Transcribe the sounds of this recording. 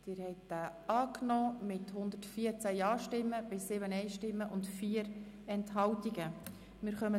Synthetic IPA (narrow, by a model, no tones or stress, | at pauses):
d̪̥ɪːɾhɛɪtd̥æːɑːknɔːmɪthʊnd̪ətfiəɾt͡sæjɑːʃtɪmːəb̥ɪsːɪbənɛɪʃtɪmːəʔʊntfiːəɾ | ɛnthɑwtiɡə | mɪɾχœmə